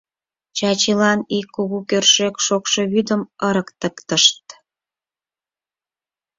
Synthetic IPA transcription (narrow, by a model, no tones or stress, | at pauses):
t͡ɕɑt͡ɕilɑnikːuɣukørʃekʃokʃeβyd̪əməɾəkt̪əkt̪əʃt̪